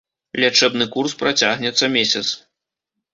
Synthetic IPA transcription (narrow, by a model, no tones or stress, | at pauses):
lʲat͡ʂɛbnɨkurspɾat͡sʲaɣnʲɛt̪sɐmʲesʲɐt̪s